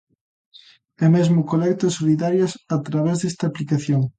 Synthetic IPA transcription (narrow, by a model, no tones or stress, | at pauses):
ɛmezmʊkolɛkt̪osoliðaɾjasat̪ɾaβ̞ɛzðest̪aplikaθjoŋ